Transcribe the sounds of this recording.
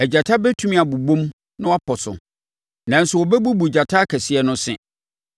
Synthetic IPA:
ɛ˨d͡ʑa˨tʰa˦bɛ˦tʰũ˦mĩ˦a˨bu˨bõ˦m | nʊ̃˦wa˦pʰɔ˨sʊ̰˨ | nã˨n̩˦sʊ˨wɔ˨bɛ˦bu˦bu˨d͡ʑa˨tʰa˦kʰɛ˨sɪ˦ɛ˦nʊ̃˦sɪ̰̃˨

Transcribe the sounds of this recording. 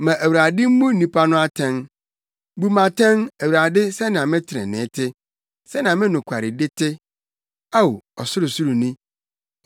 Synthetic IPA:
mã˨ʔæ˨wu˨ɾa˨dɪ˦m̩˦mũ˦nĩ˦pʰa˦nʊ̃˦a˦tʰɛ̃˦n | bu˦mã˨tʰɛ̃˦næ˨wu˨ɾa˨dɪ˦sɛ˦nã˨mɪ̃˦tʰɪ˨ɾɛ̰̃˨nɪ̰̃ː˨˦tʰɪ˦ | sɛ˦nã˨mɪ̃˦nʊ̃˨kʷʰa˨ɾɪ˨dɪ˦tʰɪ˦ | a˦wɔ˨sʊ˦ɾʊ˨su˦ɾu˨nĩ˦

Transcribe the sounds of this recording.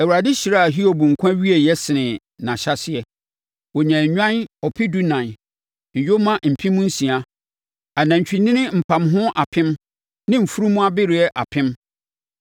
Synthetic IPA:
ɛ˨wu˨ɾa˨dɪ˦ɕi˨ɾa˦a˨ɦi˦o˨bũ˨ŋ̩˨kʷʰã˦ɥi˦e˨jɛ˦sɪ˨nɪ̃˨ | nã˨ɕa˦sɪ˦ɛ˨ | wɔ˨ɲɛ̃˨ɲᶣã˦nɔ˨pʰɪ˦du˦nã˨n˨ | ɲ̩˨jo˦mã˦m̩˨pʰĩ˦mʊ̃˦n̩˦sĩ˨a˦ | a˨nã˨ɲ̩˨t͡ɕᶣi˨nɪ̃˦nɪ̃˦m̩˨pʰã˨mɦʊ̃˦ʔa˨pʰɪ̃˦m | nɪ̃˦m̩˨fu˦ɾu˦mʊ̃˦a˦bɪ˦ɾɪ˨ɛ˦ʔa̰˨pʰɪ̃˦m

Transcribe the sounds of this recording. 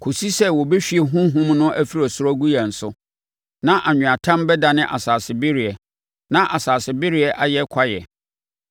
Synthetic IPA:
kʰo˨si˦sɛ˦wɔ˨be˦ɕᶣi˦ɛ˨ɦũ˦ɦũ˦mnʊ̃˦ʔæ˦fi˦ɾɔ˨sʊ˦ɾɔ˦ɡu˦jɛ˨n̩˨sʊ˦ | nã˦ʔa˨ɲᶣʊ̃˨a˨tʰã˦mbɛ˦da˨nɪ̃˦ʔa̰˨saː˨sɪ˨bɪ˦ɾi˨ɛ˨ | nã˦ʔa˨saː˨sɪ˨bɪ˦ɾi˨˦ɛ˨ʔa˦jɛ˦kʰa˦jɛ̰˨

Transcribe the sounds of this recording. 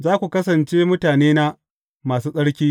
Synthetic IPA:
zaː˦kʷu˨kɐ˦sɐ˨nt͡ʃeː˦mʊ˦taː˨neː˦na˦ | maː˨suː˦sʼɐ˦ɽkʲiː˦

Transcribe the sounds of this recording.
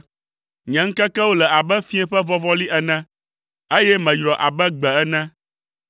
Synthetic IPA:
ɲɛ̃˨ŋ̩˦kɛ˦kɛ˦wo˦lɛ˨a˨bɛ˦fĩ˦ɛ̃˦ɸɛ˦vɔ˦vɔ˦li˦ʔɛ˦nɛ̃˦ | e˦jɛ˦mɛ̃˨jɾɔ˨ʔa˨bɛ˦ɡ͡bɛ˨ɛ˦nã˦

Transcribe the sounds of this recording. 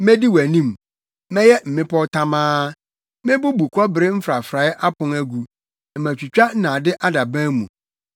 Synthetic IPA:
mɛ˦di˦wæ˨nĩ˦m | mɛ̃˦jɛ˦m̩˨mɪ̃˦pʰɔ˦tʰa˦mãː˦ | mɪ̃˦bʊ˦bu˨kʰɔ˦bɪ˨ɾɪ˦m̩˦fɾa˨fɾa˨˦ʔa˦pʰʊ̃˨næ˦ɡu˨ | ɛ˨mæ̃˨t͡ɕᶣu˨t͡ɕᶣa˦n̩˦nã˨dɪ˦ʔa˦da˨bãː˦mũ˨

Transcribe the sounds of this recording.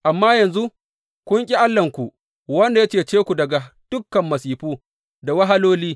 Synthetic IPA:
ʔa˨mːaː˦jɐ˨nzu˦ | kʷʊ˦ŋkʲʼi˦ʔa˦lːɐ˨ŋkʷu˨ | wɐ˦nda˨ja˦t͡ʃeː˨t͡ʃeː˦kʷu˨dɐ˨ɡa˨d̥ʊ˦kːɐ˨mːɐ˨siː˨ɸuː˦ | da˨wɐ˦ɦa˦loː˦liː˦

